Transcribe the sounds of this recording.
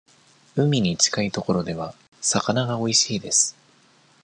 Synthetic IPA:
ɯ̟mʲiɲ̟it͡ɕi̥kait̪o̞ko̞ɾo̞d̪e̞β̞a | sakanaɡao̞iɕiːd̪e̞sɨ̥

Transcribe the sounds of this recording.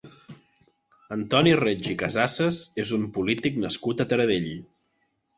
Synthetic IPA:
ənt̪ɔnired͡ʒikəzasəzezumpulit̪iknəskut̪ət̪əɾəðeʎ

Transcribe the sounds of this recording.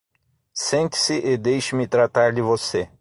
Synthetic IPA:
sẽnt͡ʃ̪ɪ̥sɪʔɪd̪ejʃɪmɪt̪ɾat̪aɾd̪ɪvose

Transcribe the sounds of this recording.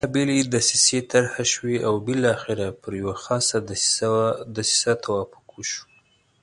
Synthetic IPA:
abelid̪asiset̪aɾhaʃwiawbɪlːxɪɾapəɾjawaxɑsad̪ | d̪asi̥sat̪ʰawɑfʊ̥kwuʃu̥

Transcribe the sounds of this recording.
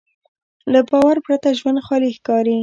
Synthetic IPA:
labɑwaɾpɾat̪aʒwand̪xɑlixkɑɾi

